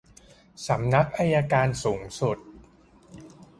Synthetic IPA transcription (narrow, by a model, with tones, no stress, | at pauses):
sa˩˦mna˦˥k̚ʔa˧jaː˧kaː˧nsuː˩˦ŋsu˨˩t̪̚